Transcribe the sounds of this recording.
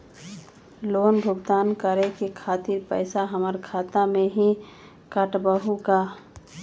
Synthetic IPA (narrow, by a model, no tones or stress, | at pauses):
loːnbʱʊɡd̪aːnkəɾekekʰaːt̪iɾpə̰ɪsaɦəməɾkʰaːt̪amẽɦi | kəʈbəɦuka